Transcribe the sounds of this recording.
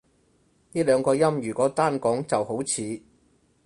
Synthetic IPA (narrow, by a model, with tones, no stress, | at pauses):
niː˥lœː˨˧ŋkɔː˧jɐ˥mjyː˨˩kɔː˨˥t̪aː˥nkɔː˨˥ŋt͡sɐ˨who˨˥wt͡sʰiː˨˧